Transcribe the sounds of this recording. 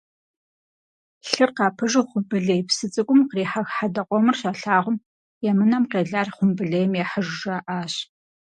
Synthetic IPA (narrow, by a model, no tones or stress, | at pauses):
ɬɨrqɑːpʰɨʒɪχʷʊbɨɮejpsɨt͡sʼɨkʷʼʊmqriːħaxħadɐqʷʼɔmɨrɕaːɬaːʁʷʊm | jɛmɨnɐmqeːɮaːrχʷʊmbɨɮejɛmjɛħəʒːɐʔaːɕ